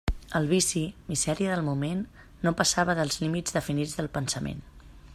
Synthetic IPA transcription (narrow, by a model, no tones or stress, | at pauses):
əlˠβ̞isimizɛɾiəðəlˠmumenː | opəsaβəðəlˠzlimid͡zðəfinid͡zðəlˠpənsəmḛn